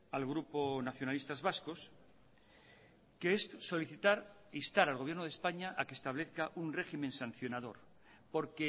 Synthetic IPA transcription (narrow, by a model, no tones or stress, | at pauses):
alɣɾuponaθjo̞nalist̪azβasko̞s | keesso̞liθit̪aɾist̪aɾalɣo̞βjeɾnoð̞espaɲaʔakest̪aβ̞leθkaʔunre̞ximẽnsãn̟θjo̞nað̞o̞̰ɾ | po̞ɾke